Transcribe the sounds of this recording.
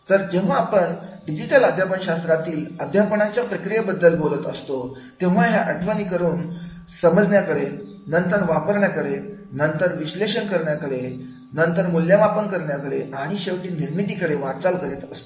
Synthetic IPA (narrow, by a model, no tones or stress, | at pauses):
t̪əɾd͡ʑeʋ̤aːpəɳɖid͡ʑiʈələd̪ʱjapəɳɕast̪ɾat̪iːləd̪ʱjapɳ̃at͡ɕjapɾəkɾijebəd̪ːəlbolət̪əst̪o | t̪ẽʋ̤aɦjaʔəʈʰʋanikəɾuːn | səməd͡zɳjakəɽe | nənt̪əɳʋapəɾɳjakəɽenənt̪əɾʋiɕleɕənkəɾɳjakəɽe | nənt̪əɾmuljamapənkəɾɳjakəɽeʔaɽ̃iɕeʋʈiːniɾmit̪iːkəɽeʋat͡salkəɾet̪əst̪o̥